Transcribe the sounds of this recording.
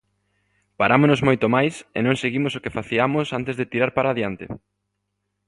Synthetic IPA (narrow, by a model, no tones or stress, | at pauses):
paɾamonozmojt̪omajsḛnõŋseɣimosokefaθiamosant̪ezðet̪iɾaɾpaɾaːðjant̪ḛ